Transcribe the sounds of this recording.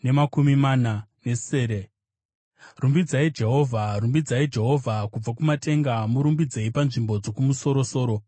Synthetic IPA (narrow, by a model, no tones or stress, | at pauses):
ne̞makumimanane̞seːɾe | rumbid͡zaid͡ʒe̞ɦo̞ːvʱarumbid͡zaid͡ʒe̞ɦo̞vʱakub͡vakumate̞ŋɡamuɾumbid͡zeipanʐimbo̞d͡zo̞kumuso̞ɾo̞so̞ːɾo̞